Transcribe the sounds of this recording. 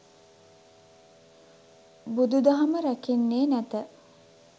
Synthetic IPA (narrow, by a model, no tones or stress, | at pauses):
bud̪ud̪ɐɦɐməɾækenːeːnæt̪ə